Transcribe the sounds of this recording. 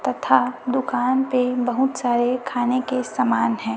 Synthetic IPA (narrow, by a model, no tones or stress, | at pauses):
t̪ɐt̪ʰad̪ʊkaːnpebɐɦʊt̪saːɾekʰaːnekesamaːnɦɛ̃ː